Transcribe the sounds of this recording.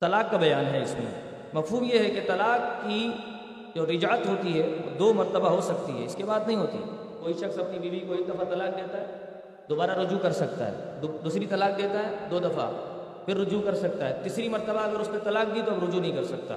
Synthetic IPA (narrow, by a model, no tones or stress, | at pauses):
t̪ɐlaːkːabɐjaːnɦɛɪsmḛ | mɐfɦuːmjeɦɛket̪ɐlaːkːi | d͡ʒoːɾɪd͡ʒət̪ɦoːt̪iɦɛo̰d̪oːmɐɾt̪əbaɦosɐkt̪iɦɛ̰ɪskebaːd̪nɐɦĩɦoːt̪ḭɦɛ̰ | koːiʃɐxsɐpnibiːbikoːid̪ɐfat̪ɐlaːk̚d̪eːt̪aɦɛː | d̪oːbaːɾaɾʊd͡ʒukɐɾsɐk̚t̪a̰ɦɛ̰ːd̪d̪uːsɾit̪ɐlaːk̚d̪eːt̪aɦɛːd̪oːd̪ɐfa̰ | fʰɪɾːʊd͡ʒukɐɾsɐk̚t̪aɦɛt̪iːsɾimɐɾt̪əbaɐɡəɾʊsnẽt̪ɐlaːk̚d̪it̪oɐbɾʊd͡ʒunɐɦĩkɐɾsɐk̚t̪a̰